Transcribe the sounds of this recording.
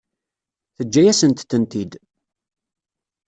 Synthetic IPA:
θəd͡ʒːæjæsənt̪ːənt̪id̪

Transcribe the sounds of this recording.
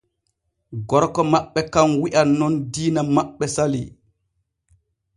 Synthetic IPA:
ɡɔɾkɔmaɓːɛkamwiʔanːɔndiːnamaɓːɛsali

